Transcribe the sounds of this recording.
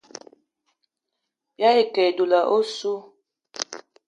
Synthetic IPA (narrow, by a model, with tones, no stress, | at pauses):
bja˦e˨kɛ˨du˨la˨ʔo˦su˦